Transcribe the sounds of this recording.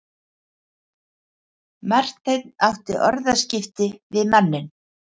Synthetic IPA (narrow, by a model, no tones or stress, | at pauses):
mar̥t̪ejt̪nawht̪ɪʔɔɾðascɪft̪ɪvɪðmanːɪn